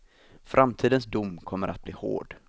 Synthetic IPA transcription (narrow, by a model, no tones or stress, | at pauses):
fɾʔamt̪ʰiːd̪ənsd̪ʊmːkʰɔmːəɾʔa̰t̪̚bliːho̰ːɖ